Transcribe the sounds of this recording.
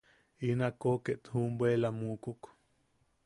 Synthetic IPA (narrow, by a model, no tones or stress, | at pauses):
inakokeʔt̪humbwelamuːkuk